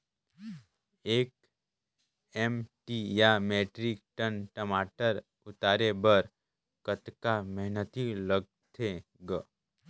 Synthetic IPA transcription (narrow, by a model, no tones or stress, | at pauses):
eːk | emʈijameːʈɾɪk̚ʈənʈəmaːʈəɾ | ʊt̪aːɾebəɾ | kət̪kaməɦnət̪iləɡ̚t̪ʰe | ɡ